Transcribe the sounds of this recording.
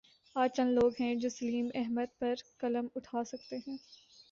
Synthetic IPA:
aːt͡ʃɐ̃nloːɡɦɛ̃d͡ʒoːsɐliːmɛɦməd̪̚pɐɾkɐləmʊʈʰaːsɐk̚t̪eɦɛ̃ː

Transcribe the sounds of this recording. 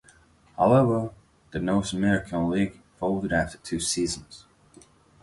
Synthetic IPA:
haʊlˠɛvə˞ | ðɨnoʊsəmɛɹɨkʰə̃nliɡ̥ | foʊlˠdɨɾæftə˞tʰʉsiz̃n̩z̥

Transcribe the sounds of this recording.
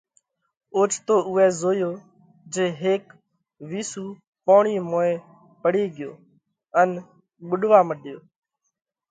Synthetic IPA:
oːt͡ʃt̪oːʔʊɛːzoːjoː | d͡ʒeːɦeːk | ʋiːsuː | poːɳiːmoːeː | pəɽiːɡɪjo̰ː | ən | ɓʊɗʋaːməɗɪjoː

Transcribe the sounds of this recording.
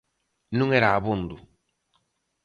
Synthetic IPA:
nũŋɛɾaːβund̪u

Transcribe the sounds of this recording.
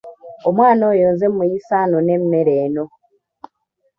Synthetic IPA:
omwaːnoːjoːnzemmːujisaːnone̞mːeɾeːno̞

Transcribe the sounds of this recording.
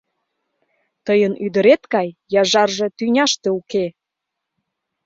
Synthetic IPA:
t̪əjənyd̪əɾet̪kɑjjɑʒɑrʒe̽t̪ynʲɑʃt̪euke

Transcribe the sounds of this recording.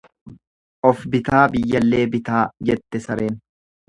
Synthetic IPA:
ʔɔfbɪt̪aːbɪjːɐlːe̞ːbɪt̪aːd͡ʒɛt̪ːɛsɐɾe̞ːn

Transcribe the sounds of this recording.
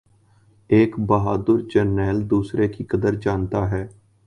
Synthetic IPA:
eːkbəɦaːd̪əɾd͡ʒənːɛːld̪uːsɾeːkiːkəd̪əɾd͡ʒaːnt̪aːɦɛː

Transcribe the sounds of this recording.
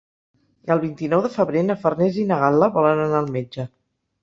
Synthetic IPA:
əlˠβint̪inɔwðəfəβɾenəfərnɛzinəɣalˠəβɔlənənaːlˠmed͡ʒə

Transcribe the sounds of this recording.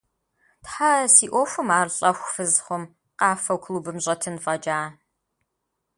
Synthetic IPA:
tħasiːʔʷɔxʷʊmaːrɬʼɐxʷfɨzχʷʊm | qɑːfɐwkʷʰluːbɨmɕʼɐtʰɨnfʼɐd͡ʒaː

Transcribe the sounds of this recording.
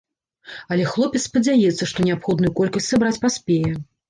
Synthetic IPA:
ɐlʲɛxlˠɔpʲɛt̪spɐd͡zʲajɛt̪sːɐʂt̪ɔnʲɛapxɔd̪nujukɔlʲkɐsʲtʲsabɾat͡sʲpasʲpʲejɛ

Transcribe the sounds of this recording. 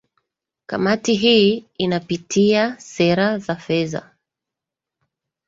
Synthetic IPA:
ka̰matiɦiinapitʰiasɛɾazafɛza̰

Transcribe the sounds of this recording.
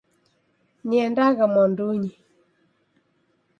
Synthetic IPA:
ɲɛndaɣamɔnduɲi

